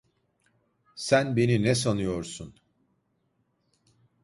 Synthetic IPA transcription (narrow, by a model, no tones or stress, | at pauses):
sænbe̞ninɛs̬anujoɾsun